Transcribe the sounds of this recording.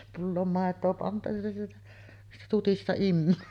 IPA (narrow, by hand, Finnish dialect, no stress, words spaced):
pulːoːm mɑˑetˑoː pɑntu jɑ sieltæ siːtæ tutistɑ imːøː